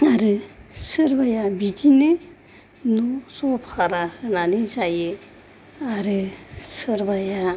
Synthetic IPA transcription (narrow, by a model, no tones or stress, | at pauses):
aɾɯsəɾbajabitʰine | nosopʰaɾahɯnanizajɯ | aɾɯsəɾbaja